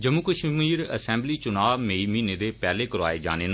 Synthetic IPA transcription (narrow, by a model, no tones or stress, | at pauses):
d͡ʒəmukəʃmiːɾə̰sɛ̃ːmbliːt͡ʃʊnaːʋmeːimiːneːd̪eːpɛːleːkəɾa̰ːeːd͡ʒa̰ːneːn